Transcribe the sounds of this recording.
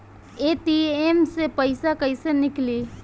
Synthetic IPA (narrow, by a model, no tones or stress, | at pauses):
eːʈiemsepəɪsakəɪsenɪkliː